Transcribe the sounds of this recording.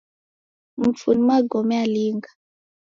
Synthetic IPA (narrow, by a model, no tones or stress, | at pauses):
m̩funimaɡɔmɛaliːŋɡa